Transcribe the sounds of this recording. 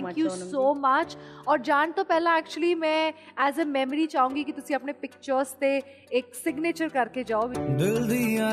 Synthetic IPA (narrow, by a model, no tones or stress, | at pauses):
ŋkkjusoːmɐt͡ʃɔːɾd͡ʒaːnt̪opɛɦlãɛːk̚t͡ʃuəlimɛ̃ɛːzemɛːməɾit͡ʃaːɦũːŋɡikit̪ʊsiɐpnepɪk̚t͡ʃəɾzt̪e | eːksɪɡneːt͡ʃəɾkɐɾked͡ʒaːobd̪ɪld̪ia